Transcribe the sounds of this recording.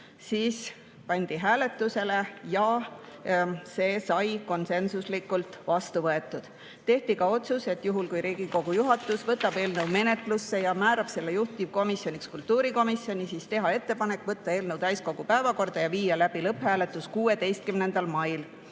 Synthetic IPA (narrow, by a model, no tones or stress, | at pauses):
siːs | pɑnʲd̪̥iɦæːle̞t̪ːˑuse̞le̞jɑ | se̞ːsɑjko̞nse̞nsuslikːult̪ˑvɑst̪uvɤe̞t̪ːˑud̪̥ | t̪e̞ht̪ikɑo̞t̪suse̞t̪juɦulkujɾiːɡ̥iko̞ɡ̥ujuɦɑt̪ːˑusvɤt̪ːˑɑb̥e̞ːlnəwme̞ne̞t̪ˑlusːe̞jɑmæːɾɑb̥se̞lːejuht̪ivko̞misjo̞nʲikskult̪ːˑuːɾiko̞misjo̞nʲisist̪e̞ɦɑe̞t̪ːe̞pɑne̞kːˑvɤt̪ːˑɑe̞ːlnəwt̪æjsko̞ɡ̥upæevɑko̞rd̪̥ɑjɑviːjɑlæb̥ilɤphæːle̞t̪ːˑuskuːe̞d̪e̞jst̪̚kymne̞nd̪̥ɑlmɑjl